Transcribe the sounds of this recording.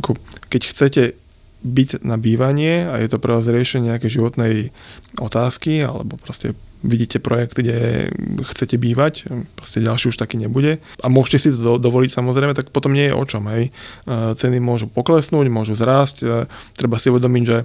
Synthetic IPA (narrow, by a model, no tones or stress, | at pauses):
akʰɔkɛcxt͡sɛcɛ | biɟnabiːʋaɲɪɛa̰jɛt̪ɔpɾɛʋaːzɾɪɛʃɛɲɛɲɛakɛjʒiʋɔt̪nɛjɔt̪aːskia̰lɛ̰bɔpɾɔscɛ̰ʋiɟiːcɛpɾɔjɛkd̪ɡɟɛ̰xt͡sɛcɛbiːʋacpɾɔscɛɟalʃiːuʃt̪akiːɲɛbuɟɛ | ʔamʊɔʒcɛsit̪ɔd̪ɔʋɔlicsamɔzɾɛɪmɛt̪ak̚pɔt̪ɔmɲɪɛjɛ̰ʔɔ̰t͡ʃɔmɦɛjt͡sɛnimʊɔʒupɔklɛsnuːɟmʊɔʒuzɾaːsct̪ːɾɛbasiuʋɛd̪ɔmiɟʒɛ